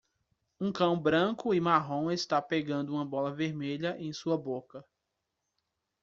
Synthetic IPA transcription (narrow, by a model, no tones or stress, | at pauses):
ũkɐ̃w̃bɾɐ̃kʊɪmaɦõw̃est̪apeɡɐ̃nd̪ʊũmɐbɔlɐveɾmeʎɐʔẽj̃suɐbokɐ